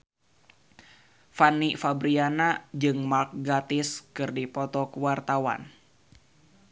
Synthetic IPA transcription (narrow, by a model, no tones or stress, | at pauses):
fanifabɾianad͡ʒɨŋmark̚ɡat̪ɪskɨrdipɔt̪ɔkəwart̪awa̰n